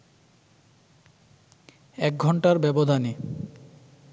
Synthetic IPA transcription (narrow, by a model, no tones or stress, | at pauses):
ɛk̚ɡʱɔɳʈaɾbɛbod̪ʱani